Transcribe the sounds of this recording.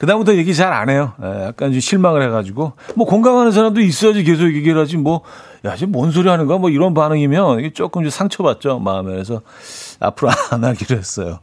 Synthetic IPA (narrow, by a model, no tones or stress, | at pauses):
kɯdambutʰʌje̞ɡit͡ɕaɾa̰ne̞jojḛjak̚k͈and͡ʑoɕʰiɭmaŋɯɭhe̞ɡad͡ʑiɡomwʌkoŋɡaŋɦanɯns̬ʰaɾamdois͈ʌjad͡ʑik̬e̞sʰokjeɡeɾɦad͡ʑimwʌ | jad͡ʑimʌns̬ʰoɾiɦanɯnɡamwʌiɾʌnpanɯŋimjʌneɡet͡ɕ͈ok͈ɯmd͡ʑosʰaŋt͡ɕʰʌbat̚t͡ɕ͈oma̰ːmeɾes̬ʰʌ | a̰pʰɯɾoanaɭɡiɾoɦe̞s͈ʌjo